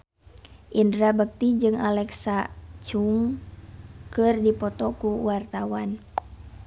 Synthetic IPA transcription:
ʔindɾabək̚t̪id͡ʒɨŋalɛksat͡ʃuŋ | kɨrdipɔt̪ɔkuwart̪awan

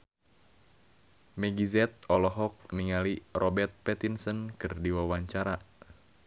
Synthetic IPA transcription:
mɛɡizɛt̪̚ɔlɔɦɔk̚niŋalirɔbɛrt̪̚pɛt̪insənkɨrdiwawaɲt͡ʃaɾa

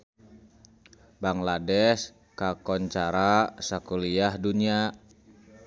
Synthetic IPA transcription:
baŋladɛs | kakɔɲt͡ʃaɾasakuliahdunia

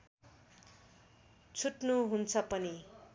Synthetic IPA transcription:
t͡sʰuʈnuɦunt͡sʰʌpʌni

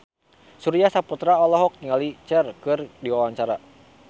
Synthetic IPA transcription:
suɾiasaput̪ɾaɔlɔɦɔk̚t̪iŋalit͡ʃɛrkɨrdiwawaŋt͡ʃaɾa

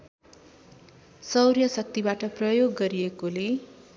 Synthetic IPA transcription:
sʌwrjʌsʌk̚t̪ibaʈʌprʌjoɡːʌɾijekole

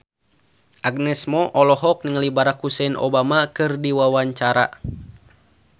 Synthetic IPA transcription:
ʔaɡ̚nɛsmɔʔɔlɔɦɔk̚niŋəlibaɾakhusɛnʔo̰bamakɨrdiwawaɲt͡ʃaɾa̰

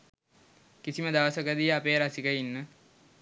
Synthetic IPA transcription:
kisiməd̪aʋəsəkəd̪ijəapeːɾasikəinːə

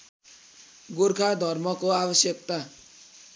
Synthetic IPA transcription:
ɡorkʰad̪ʱʌrmʌkoabʌsjʌk̚t̪a

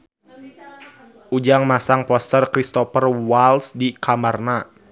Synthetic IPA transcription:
ʔud͡ʒaŋmasaŋpɔst̪ərkɾist̪ɔfərwalsdikʰamərna

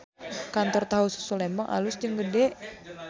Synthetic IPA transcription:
kant̪ɔrt̪aɦusu̥sulembaŋʔa̰lʊsd͡ʒəŋɡədɛʔ

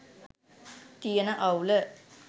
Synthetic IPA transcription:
t̪ijənəʔawlə

